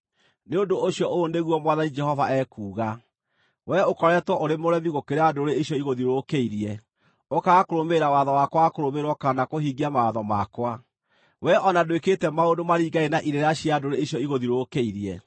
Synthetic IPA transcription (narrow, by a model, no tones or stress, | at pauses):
neondoːɕjɔʔoːneɣwɔmwaðanid͡ʒɛhɔvaɛkuːɣa | wɛokɔɾɛtwɔʔoɾemoɾɛviɣokeɾeadoɾeiɕjɔiɣoðiɾokeiɾiɛ | okaːkoɾomeɾawaðɔwakwakoɾomeɾwɔkaanakohiɡiamawaðɔmakwa | wɛʔɔnadweketɛmaondomaɾiːɡaenaʔiɾeɾaɕiadoɾeiɕjɔiɣoðiɾokeiɾiɛ̰